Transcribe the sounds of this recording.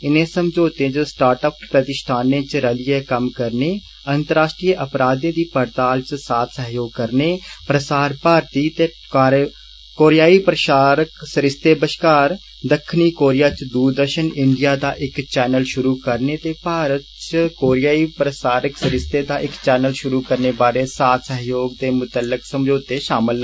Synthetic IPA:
ɪnẽːsəmd͡ʒoːt̪ẽt͡ʃsʈaːɾʈəppɾət̪ɪʃt̪ʰaːnẽt͡ʃɾəlɪjekəmkəɾneː | ənt̪əɾaːʃʈɾijʔəpɾaːd̪ẽːd̪iːpəɾt̪aːlt͡ʃsaːt̪ʰsəɦjoːɡ̚kəɾneːpɾəsaːɾpaːɾt̪it̪eː | kaːɾ | koːɾjaːipɾəʃaːɾəksəɾɪst̪eːbəʃkaːɾ | d̪əkʰːɪniːkoːɾijaːt͡ʃd̪uːɾd̪əɾʃənɪ̃ɳɖijaːd̪aːʔɪkt͡ʃɛːnəlʃʊɾuːkəɾnet̪eːpaːɾət̪t͡ʃkoːɾjaːipɾəsaːɾəksəɾɪst̪eːd̪aːʔɪkt͡ʃɛːnəlʃʊɾuːkəɾneːbaːɾeːsaːt̪səɦjoːɡd̪eːmʊt̪əlːɪksəmd͡ʒoːt̪eʃaːmɪlː

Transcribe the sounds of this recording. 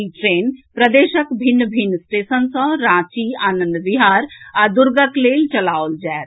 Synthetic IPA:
iʈɾeːnpɾəd̪eːʃəkbʱɪnːbʱɪnːsʈeːsənsɔ̃ɾãːt͡ʃiaːnə̃nd̪bɪɦaːɾaːd̪ʊɾɡəkleːlt͡ʃɐlaːold͡ʒaːt̪

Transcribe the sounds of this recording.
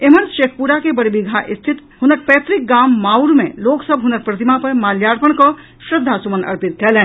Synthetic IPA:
eməɾʃeːkʰpuɾakebəɽebiɡʱaʔɪst̪ʰit̪ | ɦʊnəɾpɛːt̪ɾik̚ɡaːmːaːuɾmḛ̃loːksəbʱɦʊnəɾpɾət̪imapəɾmaːljaːɾpəɽ̃kɔ | sɾəd̪ʱːasumənɐ̰ɾpit̪̚kɛlɛ̃

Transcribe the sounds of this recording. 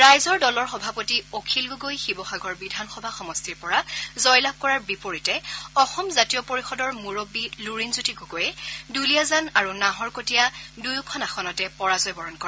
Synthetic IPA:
ɹajzɔɹdɔlɔɹxɔbʱapotiokʰilɡuɡojxibɔxaɡɔɹbidʱanxɔbʱaxɔmɔstiɹpɔɹazɔjlab̚kɔɹaɹbipoɹitɛɔxɔmzatijɔpoɹixɔdɔɹmuɹobiluɹinzutiɡuɡojɛdulijazanaɹunaɦɔɹkotijadujukʰɔnaxɔnɔtɛpɔɹazɔjbɔɹɔnkɔɹa

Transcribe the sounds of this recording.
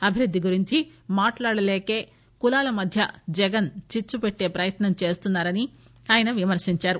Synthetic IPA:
ɐbʱiɾud̪ʱːiɡuɾiɲt͡ʃimaːʈlaːɽɐleːke̞ː | kulaːlɐmɐd̪ʱjɐ̰d͡ʒɛɡɐnt͡ʃit͡ʃːupeʈːe̞ːpɾɐjɐt̪nɐmt͡ʃe̞ːst̪unːaːɾɐni | aːjɐnɐʋimɐɾʂiɲt͡ʃaːɾu

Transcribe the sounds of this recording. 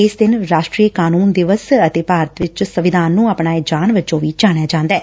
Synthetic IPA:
ɪsd̪ɪnɾaːʃʈɾiːkaːnuːnd̪ɪʋəsət̪eːpaːɾət̪ʋɪt͡ʃsəʋɪd̪ʱaːnːũːaːpɳaːɪd͡ʒaːnʋɪt͡ʃõːʋiːd͡ʒaːɽ̃jaːd͡ʒãːnd̪ɛː

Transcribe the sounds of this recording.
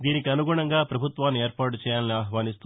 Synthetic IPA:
d̪iːnikiɐnuɡuːɳɐŋɡaːpɾɐbʱut̪ʋaːnːieːɾpaːʈ̬ut͡ʃɛːjaːlniaːɦʋaːnist̪u

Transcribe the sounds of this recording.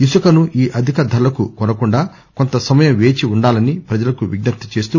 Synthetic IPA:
isukɐnuʔiːʔɐd̪ʱikɐd̪ʱɐlːɐkukɔnɐkuɳɖaː | kont̪ɐsɐmɐjɐmʋe̞ːt͡ʃiuɳɖaːlɐnipɾɐd͡ʒɐlɐkuʋiɡnɐt̪ːɐt͡ʃe̞ːst̪u

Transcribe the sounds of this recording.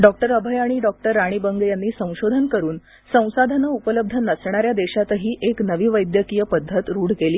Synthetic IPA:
ɖɔk̚ʈəɾəbʱəjaɽ̃iɖɔk̚ʈəɾːaɽ̃iːbəŋɡjanːiːsə̃w̃ɕod̪ʱənkəɾuːn | sə̃w̃sad̪ʱənəupələb̚d̪ʱənəsɳ̃aɾjad̪eɕat̪ɦiːʔeknəʋiːʋəjd̪jəkijəpəd̪ʱːət̪ɾuːɽ̤keliː

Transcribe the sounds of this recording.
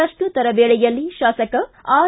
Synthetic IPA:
ɐʂʈut̪ɐɾɐʋeːɭɛjɐlːiʃaːsɐkɐaː

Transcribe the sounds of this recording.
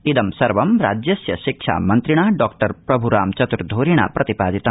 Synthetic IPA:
id̪ɐmsɐɾʋɐmɾa̰ːd͡ʒjɐsjɐʃikʃʰa̰mɐnt̪ɾiɽ̃aːɖɔːkʈɐɾpɾɐbʱuɾaːmt͡ʃɐt̪uɾd̪ʱoːɾiɳ̃a̰pɾɐt̪ipaːd͡ʒit̪ɐ

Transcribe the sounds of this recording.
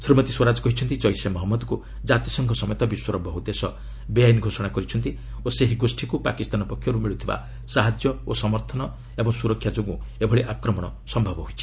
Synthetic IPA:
sɾimɔt̪iswɔɾad͡ʒɔkɔɦit͡ʃʰɔnt̪it͡ʃɔjsemɔɦɔmːɔd̪ku | d͡ʒat̪isɔŋkʰɔsɔmɔjɔt̪ɔbiswɔɾɔbʱːɔɦut̪esɔ | bejajnɡʱosɔɽ̃akɔɾit͡ʃʰɔnt̪i | oseɦiɡosʈʰikupa̰kist̪anɔpɔkʰːjɔɾumiɭut̪ʰiba̰ | saɦad͡ʒjɔosɔmɔɾt̪ʰɔnɔ | ebɔŋsuɾɔkʰjad͡ʒoɡũebʱɔɭeʔakɾɔmɔɽ̃ɔsɔmbʱabɔɦojt͡ʃʰi̥

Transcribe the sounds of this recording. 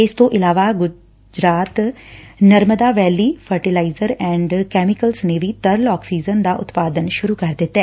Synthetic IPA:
ɪst̪õːʔɪlaːʋaːɡʊ | d͡ʒɾaːt̪nəɾməd̪aːʋɛːliːpʰəɾʈilaːizəɾɛ̃ːɳɖkɛːmɪkəlsneːʋiːt̪əɾlɔːksiːzənd̪aːʔʊ̰t̪paːd̪ənʃʊɾuːkəɾd̪ɪt̪ːɛː

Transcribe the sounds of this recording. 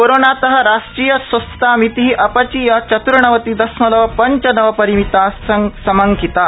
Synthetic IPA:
koɾonat̪ɐɦəɾaʂʈɾijəsʋɐst̪t̪amit̪iɦiːʔɐpat͡ɕiːjat͡ɕɐt̪uɾɳɐʋət̪iːd̪ɐsmɐlɐʋəpɐɲt͡ɕənɐʋəpɐɾimit̪asəŋsɐməŋkit̪a

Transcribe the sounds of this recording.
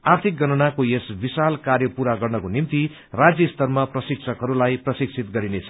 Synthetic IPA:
art̪ʰik̚ɡʌnʌnakojesbisalkarjʌpuɾaɡʌrnʌkonimt̪i | rad͡zjʌst̪ʌrmʌprʌsikt͡sʰʌkɦʌɾulajprʌsiksʰit̪ɡʌɾinet͡sʰʌ

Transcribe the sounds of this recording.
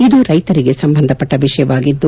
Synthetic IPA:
id̪uɾɐjt̪ɐɾiɡe̞sɐmbɐnd̪ʱɐpːɐʈːɐʋiʂɐjɐʋaːɡid̪ːu

